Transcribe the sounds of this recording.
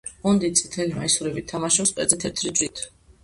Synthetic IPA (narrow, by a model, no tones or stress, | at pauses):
ɔnd̪it̪sʼit̪ʰɛlimaisuɾɛbit̪ʰːamaʃɔpspʼɛ̰d̪zɛt̪ʰɛt̪ʰɾid͡ʒɾit̪ʰ